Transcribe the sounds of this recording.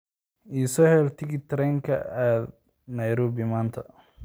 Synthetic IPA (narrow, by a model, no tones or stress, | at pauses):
ʔiːsɔhɛlt̪ʰɪɡɪt̪ʰɾɛŋkʰɐ̰aːd̪ | nɐjɾuːbɪmaːnt̪ʰɐ